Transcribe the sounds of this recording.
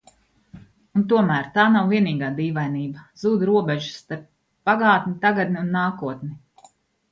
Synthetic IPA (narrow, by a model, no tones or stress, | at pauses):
unt̪uɔmæːɾt̪aːnawviɛniːɡaːd̪iːvajniːbɐz̥uːd̪ɾuɔbɛʒu̥st̪aɾp̚ː | aɡɑːt̪nit̪aɡad̪niunːaːkuɔt̪ni